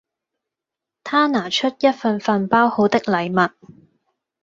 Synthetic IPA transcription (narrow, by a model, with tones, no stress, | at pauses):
t̪ʰaː˥naː˨˩t͡ʃʰɵ˥t̚jɐ˥t̚fɐ˧nfɐ˧npaː˥who˨˥wt̪ɪ˥k̚lɐ˨˩jmɐ˨t̚